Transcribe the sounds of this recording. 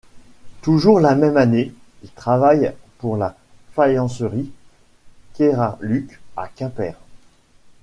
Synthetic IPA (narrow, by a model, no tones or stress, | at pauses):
t̪uʒuʁlamɛmane | ilt̪χavajpuʁla | fajɑ̃səʁi | kʲeʁalykʲa̰kʲɛ̃pɛ̰ːʁ